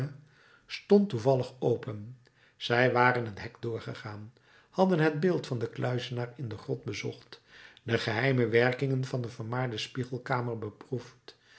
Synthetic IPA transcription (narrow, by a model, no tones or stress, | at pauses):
ə | stɔntuvɑləχowpən | z̥ɛjʋaːrənətɦɛkdʊːɹχəχaːn | hɑdənɦəd̚bɪːlˠtfɑndəklœɥzənaːrɪndəχrɔt̚bəzɔχtdəχəɦɛjməʋɛrkɪŋənvɑndəvəɹmaːɹdəspiχəlˠkaːməɹbəpruft